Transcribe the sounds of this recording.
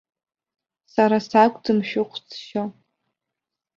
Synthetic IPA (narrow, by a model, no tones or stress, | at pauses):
saɾasakʷʼdɨmʃᶣʊqʷʰt͡sʰʃa